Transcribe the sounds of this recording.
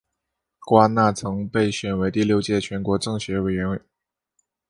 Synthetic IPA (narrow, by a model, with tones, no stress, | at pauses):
kwa˥na˥˩t͡sʰɤ˧˥ŋpe˥˩ɪɕɥɛ˨˩nwe˧˥ɪt̪i˥˧ljo˥˧ʊt͡ɕjɛ˥˩t͡ɕʰɥɛ˧˥nkwɔ˧˥ʈ͡ʂɤ˥˩ŋɕɥɛ˧˥we˨˩ɪɥɛ˧˥n˥˩